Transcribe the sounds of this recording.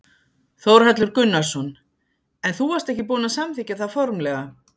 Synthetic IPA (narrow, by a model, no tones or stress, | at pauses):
θowɾ̥hɛt̪lʏɾkʏnːaɾ̥sɔn | ɛnθuaɾ̥st̪ɛhcɪpuːnasamθiːcːaθaðfɔɾmlɛɣa